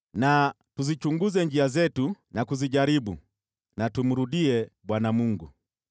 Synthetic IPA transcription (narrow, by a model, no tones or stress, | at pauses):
na | tuzit͡ʃuŋɡuzɛɲd͡ʒiazɛtunakuziɟaɾibṵ | natum̩ɾudiɛɓwanamuŋɡu